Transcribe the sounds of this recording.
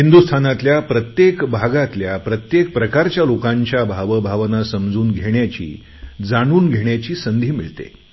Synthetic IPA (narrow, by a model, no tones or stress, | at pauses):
hind̪ust̪ʰanat̪ljapɾət̪jekbʱaɡat̪ljapɾət̪jek̚pɾəkaɾt͡ɕjalokaɲt͡ɕjabʱaʋəbʱaʋnasəmd͡zuːnɡʱeɳjat͡ɕḭː | d͡zaɽ̃uːnɡʱeɳjat͡ɕiːsənd̪ʱiːmiɭt̪ḛ